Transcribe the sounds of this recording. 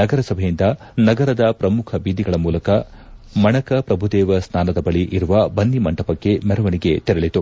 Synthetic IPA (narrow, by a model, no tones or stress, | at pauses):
ɐɡɐɾɐsɐbʱejind̪ɐ | nɐɡɐɾɐd̪ɐpɾɐmukʰɐbid̪iɡɐɭɐmuːlɐkɐmɐɳɐkɐpɾɐbʱud̪ɛːʋɐsnaːnɐd̪ɐbɐɭiʔiɾuʋɐbɐnːimɐɳʈɐpɐkːe̞mɛɾɐʋɐniɡe̞t̪ɛɾɐɭit̪u